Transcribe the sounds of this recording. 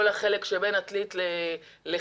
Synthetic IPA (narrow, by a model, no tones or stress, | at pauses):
olaχele̞kʃebenatlit̪le | le